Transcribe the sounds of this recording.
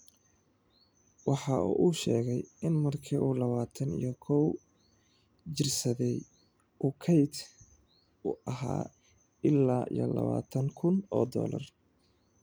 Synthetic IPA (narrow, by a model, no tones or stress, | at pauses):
wɑħɑuːʔuːʃɛːɣɛjɪnmɐrkʰiːuːlɐβaːt̪ʰɐnḭjɞkʰɔw | t͡ʃɪrsɐðɛj | ʔuːkʰɛjt̪ | ʊʔɐɦa̰ː | ɪlːaːʔḭjɔlɐ̰βa̰ːt̪ʰɐŋkʰʊnɔːd̪ɔ̰ːlɐ̰r